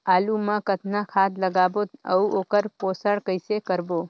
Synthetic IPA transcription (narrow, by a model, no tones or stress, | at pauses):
aluməkət̪ʰnakʰad̪ləɡabot̪ə̰uʔokəɾposəɽkəjsekəɾbo